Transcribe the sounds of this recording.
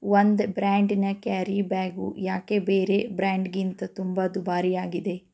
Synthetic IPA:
ʋond̪bɾaːɳɖnɐkaːɾibaːɡṵjaːkebeːɾebɾaːɳɖɡint̪ɐt̪umbɐd̪ubaːɾijaːɡid̪e̞

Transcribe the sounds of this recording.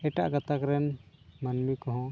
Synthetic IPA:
ɛʈaʔɡat̪akɾɛnmanmikɔɦɔ̃

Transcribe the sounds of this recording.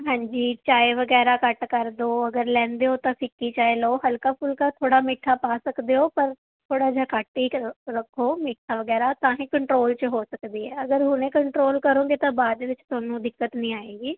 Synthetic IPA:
ɦãːɲd͡ʒiːt͡ʃaːeʋəɡɛːɾaːkəʈkəɾd̪oːəɡəɾlɛ̃ːnd̪eːoːt̪ãːpɪkːiːt͡ʃaːeloːɦəlkaːpʰʊlkaːt̪ʰoːɽaːmɪʈʰːaːpaːsəkd̪eːɦoːpəɾ | t̪ʰoːɽaːd͡ʒaːkaːʈiːɾəkʰːoːmɪʈʰːaːʋəɡɛːɾaːt̪ãːɦĩːkəɳʈɾoːlt͡ʃəɦoːsəkd̪iːɦɛːəɡəɾɦʊnẽːkəɳʈɾoːlkəɾõːɡeːt̪ãːbaːd̪eːʋɪt͡ʃt̪ʊaːnõːd̪ɪkːət̪nĩːaːeːɡiː

